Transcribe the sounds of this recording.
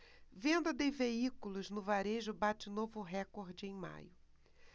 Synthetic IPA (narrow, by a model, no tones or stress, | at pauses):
vẽnd̪ɐd̪ẽveikulʊznʊvaɾeʒʊbat͡ʃɪnovʊɦɛkoɾd͡ʒɪẽj̃ma̰jʊ